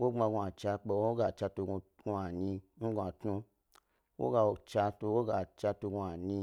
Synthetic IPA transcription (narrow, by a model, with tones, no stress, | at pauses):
wo˦ŋ͡ma˧ɡũ˧a˨t͡ʃa˧k͡pe˧˦o˦ɡa˨t͡ʃa˧to˧ɡu˧ | ɡu˧a˨ɲi˧n̩˦ɡũ˧a˨tnũ˧ | wo̰˦ɡa˧o˨t͡ʃa˧to˧wo˦ɡa˨t͡ʃa˧to˧ɡu˧a˨nĩ˧